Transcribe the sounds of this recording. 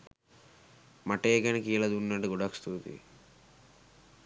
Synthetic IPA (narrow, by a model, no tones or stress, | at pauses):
mɐʈeːɡɐnikiːlɐd̪unːɐɖiɡɔɽɐkst̪uːt̪ḭ